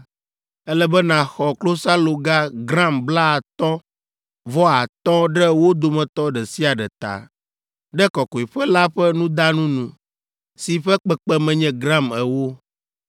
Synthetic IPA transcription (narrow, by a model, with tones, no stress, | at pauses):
ɛ˦lɛ˦bɛ˦nã˨xɔ˨klo˦sa˦lo˨ɡa˦ɡɾã˦mbla˦a˨t̪ɔ̃˦ | vɔ˦a˨t̪ɔ̃˦ɖɛ˦wo˦d̪o˨mɛ̃˨t̪ɔ˦ɖɛ˨si˦a˨ɖɛ̰˨t̪a̰˨ | ɖɛ˦kɔ˨kɔ˨i˨ɸɛ˦la˦ɸɛ˦nũ˦d̪a˦nũ˦nũ˨ | si˨ɸɛ˦k͡pɛ˨k͡pɛ˦mɛ̃˨ɲɛ̃˦ɡɾã˦˨mɛ˨wo˦